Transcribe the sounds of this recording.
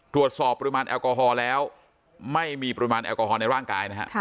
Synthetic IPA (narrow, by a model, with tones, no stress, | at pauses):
t̪ʰɾu˨˩ət̪̚sɔː˨˩pːɔ˧ɾi˧maː˧nʔɛ̰ː˧wkɔː˧ɦɔː˧lɛː˦˥w | ma˥˩jmiː˧pɔ˧ɾi˧maː˧nʔɛ̰ː˧wkɔː˧˩ɔː˧na˧jɾaː˥˩ŋkaː˧jna˦˥kʰa̰˦˧˥